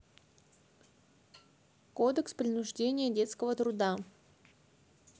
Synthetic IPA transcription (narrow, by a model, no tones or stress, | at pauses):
kod̪əkspɾʲɪnʊʐdʲenʲɪjədʲe̞t̪skəvət̪ɾʊd̪a